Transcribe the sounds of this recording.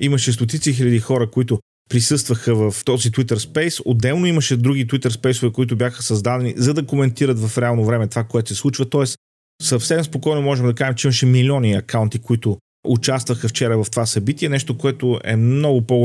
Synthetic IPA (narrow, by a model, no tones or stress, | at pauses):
imɐʃɛst̪ot̪̬it̪six̬ilʲɐd̪ixɔɾəkoit̪ʊ | pɾisɤst̪vəxəvɐft̪ɔzit̪wit̪əɾspɛjsod̪ɛlˠnoimɐʃɛd̪ɾuɡit̪wit̪əɾspɛjsʊvɛkoit̪ʊbjaxəsɐzd̪ad̪ɛnḭzɐd̪ɐkomɛnt̪iɾət̪vɐfɾɛalˠnovɾɛmɛt̪ovakoɛt̪osɛsˠut͡ʃvɐt̪ɔɛs | sɐfsɛmspokɔjnʊmɔʒɛmd̪ɐkaʒɛmt͡ʃɛiməʃɛmilʲiɔniɐkaʊnt̪ikoit̪ʊ | ʔʊt͡ʃast̪vəxəft͡ʃɛɾəvɐft̪ovasɐbit̪iɛnɛʃt̪okoɛt̪ʊʔɛ̰mnɔɡʊpoɡ